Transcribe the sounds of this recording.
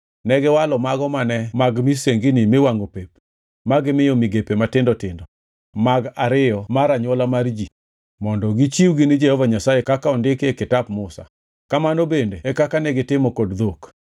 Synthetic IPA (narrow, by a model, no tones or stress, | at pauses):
nɛɡɪwalɔmaɡɔmanɛmaɡmiseŋɡinimewaŋɡopep̚ | maɡɪmɪjomiɡepematɪndɔtɪndɔ | maɡaɾɪjɔmaɾaɲɔlamaɾd͡ʒi | mɔndɔɡit͡ʃiwɡinid͡ʒɛhɔvaɲasajekakaɔndɪkekɪtapmʊsa̰ | kamanobendeɛkakanɛɡɪtɪmɔkodd̪ok